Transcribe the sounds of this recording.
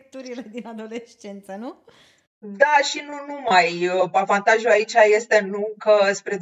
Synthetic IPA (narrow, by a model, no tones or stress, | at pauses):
t̪uɾiled̪inad̪o̞leʃt͡ʃent̪sənu | d̪aʃinunumajəpavant̪aʒuait͡ʃʲaje̞st̪e̞nukəspɾe̞